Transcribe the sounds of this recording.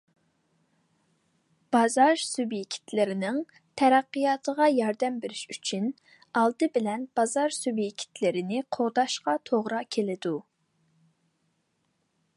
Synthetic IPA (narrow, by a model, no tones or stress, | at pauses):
b̥ɑzɑɾsubjekʲʰi̥t̪ʰlɪɾɪnɪŋ | t̪ʰɛɾɛqːɨjɑːt̪ʰəʁɑjɑɾd̪ɛmbeɾɪʃyt͡ʃʰyn | ɑlˠd̪ɨbɪlɛnb̥ɑzɑɾsubjekʲʰi̥t̪lɪɾɪnɪqʰoʁd̪ɑʃqɑt̪ʰoʁɾɑkʲʰelɪd̪u